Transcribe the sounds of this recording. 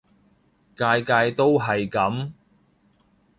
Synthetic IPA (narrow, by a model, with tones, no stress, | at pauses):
kaː˧jkaː˧jt̪o˥wɦɐ˨jkɐ˨˥m